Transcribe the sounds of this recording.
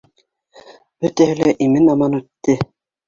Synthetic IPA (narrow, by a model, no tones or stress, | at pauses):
b̥ɵ̆t̪æhɘ̆læʔimɘnɑmɑnʉt̪ːɘ